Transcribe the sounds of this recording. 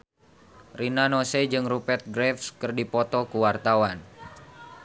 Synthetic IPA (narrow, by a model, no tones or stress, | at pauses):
rinanosɛd͡ʒɨŋrupɛt̪̚ɡɾɛfskɨrdipɔt̪ɔkuwart̪awan